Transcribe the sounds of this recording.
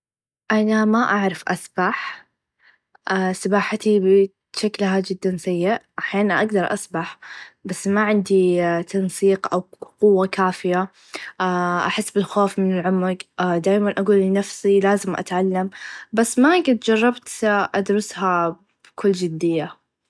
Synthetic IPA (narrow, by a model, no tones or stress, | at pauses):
ʔanamaʔaʕɾˤɑfʔasbaħ | ʔasabaːħat̪ibɪ | ʃaklɦad͡ʒɪd̪ːansajːɪʔʔaħjaːnʔa̰ɡd̪ɑɾˤʔa̰sbaħbasːmaʕɪnd̪it̪ʰɑnsˤiːqʔawqʊwːakaːfɪja | ʔaħɪsːbɪlxoːfmɪnɪlʕʊmːaɡd̪aːjmanʔaɡuːlːɪnafsilaːzɪmʔa̰t̪ʕalːambasːmaɡɪt̪d͡ʒɑrˤːɑbt̪ʔad̪ɾʊsha | b̥kʰʊlːd͡ʒɪd̪ːɪjːa